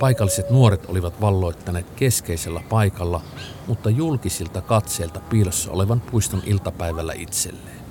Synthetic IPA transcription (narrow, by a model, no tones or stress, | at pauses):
pɑikɑlːiset̪nuoɾet̪ʔoliʋɑt̪ʋɑlːoit̪ːɑneːt̪keskeiselːɑpɑikɑlːɑ | mut̪ːɑjulkisilt̪ɑkɑt̪seːlt̪ɑpiːlosːɑ̰oleʋɑnpuist̪onʔilt̪ɑpæiʋælːæ̰it̪sḛlːeːn